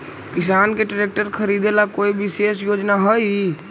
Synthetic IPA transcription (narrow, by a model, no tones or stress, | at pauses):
kisankeʈɾek̚ʈəɾkʰəɾid̪elakoibisesjod͡ʒnaɦəj